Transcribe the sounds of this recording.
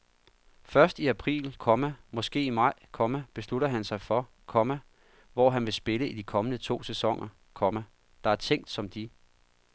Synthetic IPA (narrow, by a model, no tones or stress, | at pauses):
fɶɐsd̥iæpʰʁḭːlkʰɒ̽mæmɒ̽sɡ̥e̝̰ːimɑ̈ɪ̰kʰɒ̽mæb̥e̝sluɾɐɦænsɑ̈ɪfɒ̽ | kʰɒ̽mæ | ʋɒ̰ːɦænʋe̝sb̥e̝ləid̥ikʰɒ̽mənət͡sʰo̝̰ːsesɒ̽ŋ̰ɐ | kʰɒ̽mæ | d̥ɑ̈æɐt͡sʰeŋ̰d̥sɒ̽md̥i